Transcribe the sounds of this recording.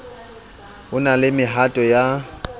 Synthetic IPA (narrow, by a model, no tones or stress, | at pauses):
ʊnalɪmɪɦatʼɔja